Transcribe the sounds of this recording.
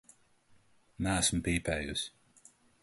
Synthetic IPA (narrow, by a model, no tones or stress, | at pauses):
nææsmpiːpʲɛːjus